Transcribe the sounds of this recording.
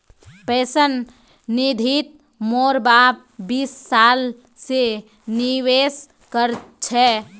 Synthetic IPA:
pɛsənː | id̪ʱit̪̚ | moɾbap̚bisːal | se | niʋes | kəɾt͡ʃʰɛ

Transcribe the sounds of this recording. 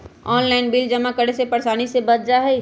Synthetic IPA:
ɔːnlaːɪnbild͡ʒɐmakəɽesepɐɾsaːnisebɐd̪̚d͡ʒaɦɛi

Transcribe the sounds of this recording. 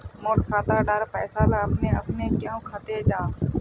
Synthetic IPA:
moːʈkʰaːt̪aɖaːɾpɛːsaːlaːəpneːəpneːkjõːkʰaːt̪eːd͡ʒaː

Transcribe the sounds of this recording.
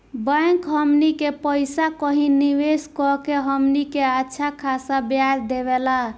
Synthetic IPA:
bə̃ŋkɦəmnikepəjsakəɦiniʋeskɔkeɦəmnikeətːʃʰakʰasabjaɾd̪eβela

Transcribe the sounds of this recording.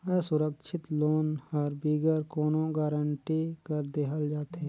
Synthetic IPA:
ɛːsʊɾəkʃʰɪt̪loːnhəɾbiːɡəɾkoːnõɡaːɾəɳʈikəɾd̪ekʰəld͡ʒaːt̪e

